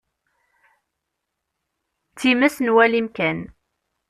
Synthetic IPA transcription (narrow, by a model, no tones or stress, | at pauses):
t͡sːimæsnwælimkæn